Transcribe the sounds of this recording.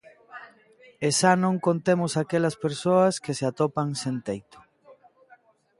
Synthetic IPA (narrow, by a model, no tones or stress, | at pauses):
eʃanõŋkont̪emʊsakelɐspeɾsoɐskeseat̪opaŋsent̪ejt̪ʊ̥